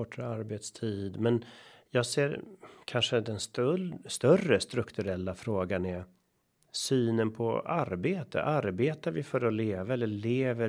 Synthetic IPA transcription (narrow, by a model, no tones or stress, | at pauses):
ɔʈʰɾaaɾbeːt̪st̪ʰiːd̪mɛnjɑːɡseːɾkʰanʂəd̪ɛnst̪st̪œrəst̪ɾɵkt̪ɵɾɛlːafɾoːɡanɛ | syːnənpʰɔ̰aɾbeːt̪ʰə̰ʔaɾbeːt̪aɾvɪfœɾɔleːvaɛlːəɭeːvə